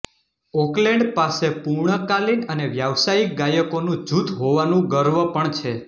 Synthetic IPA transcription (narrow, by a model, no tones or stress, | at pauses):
ɔklɛ̃ɳɖpasepuɾɳəkalinəneʋjaʋsaik̚ɡajəkonũd͡ʒut̪ʰɦoʋanũɡəɾʋəpəɳt͡ʃʰe